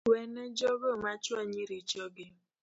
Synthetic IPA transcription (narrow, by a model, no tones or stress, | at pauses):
wened͡ʒoɡomat͡ʃoɲiɾit͡ʃobi